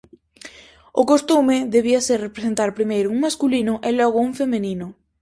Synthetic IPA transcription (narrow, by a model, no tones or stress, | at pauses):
ʊkost̪umɪðeβiaserrepɾesent̪aɾpɾimejɾʊuŋmaskulinʊʔelɔɣ̞ʊuŋfemenĩnʊ